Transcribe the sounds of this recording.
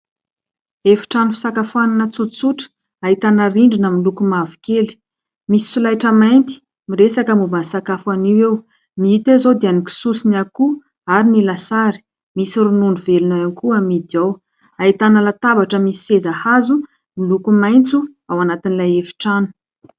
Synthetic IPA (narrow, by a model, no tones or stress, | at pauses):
efi̥ʈ͡ʂanufi̥sakafuananət͡sut͡suʈ͡ʂə̥ | aɦit̪anəriɳɖ͡ʐinəmilukumavu̥keli̥ | misi̥sulajʈ͡ʂəmajnt̪i̥ | miɾesakəmubansakafaniwew | miit̪ezod̪eaniki̥susiniaku | aɾinilasaɾi̥ | misiɾunuɳuvelunajankuamid̪iaw | ait̪anəlat̪avaʈ͡ʂəmisiezahazu | milukumajnt͡suawanat̪inilajefi̥ʈ͡ʂanu̥